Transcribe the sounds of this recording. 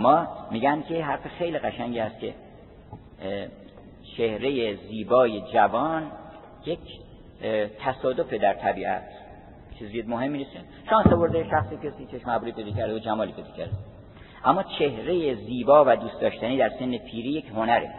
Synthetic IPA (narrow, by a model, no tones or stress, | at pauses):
mɒːmiːɟænd̪̚kʰʲeɦæɾfexe̞jliːɣæʃæɲɟihæst̪kʲʰe̞̰ | t͡ʃʰe̞hɾe̞jeziːbɒːje̞d͡ʒævɒːn | jekʰ | t̪ʰæsɒːd̪o̞fed̪æɾt̪ʰæbiːʔæ̰t̪ʰ | t͡ʃʰiziemoɦe̞mːinise | ʃɒːnsovo̞ɾd̪eʃæxsikʰesit͡ʃʰeʃmæbuɾipʰejd̪ɒːcʰæɾd̪eod͡ʒæmɒːlipejd̪ɒ̥ːcʰæ̰ɾd̪e | ʔæmːɒːt͡ʃʰe̞hɾejeziːbɒːvæd̪uːst̪d̪ɒːʃt̪æniːd̪æɾse̞nːepʰiːɾiːjekhonæɾḛ